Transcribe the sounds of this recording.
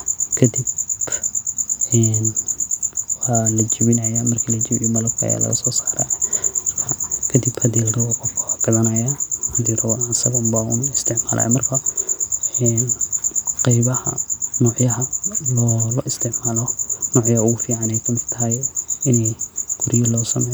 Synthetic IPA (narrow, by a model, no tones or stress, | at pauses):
kʰɐd̪ib | ɛn | waːlɐt͡ʃɪβɪnɐjamɐrkʰilɐt͡ʃɪβɪjɔmɐlɐb̚kʰɐɐ̰ja̰ːlɐ̰ɣɐ̰sɔːsaːɾa̰mɐrkʰɐkʰɐd̪ibhɐd̪ildɐwɔqɔfkʰɐaɡ̥ɐðɐnɐjahɐd̪iɾɐwɑsɐɣɔmbaʊnɪst̪ʰɪʕmaːlʔɐ̰jmɐrkʰɐ | ɛnqɛjβɐhɐ̰nɔːʕjɐɦɐlɔːlɔʔɪst̪ʰɪʕmaːlɔnɔːʕjɐʊɣʊfiːʕanɛjkʰɐmɪd̪t̪ʰɐɦɐjɪnɛjɡ̥ʰʊɾijɐlɔːsɐmɛ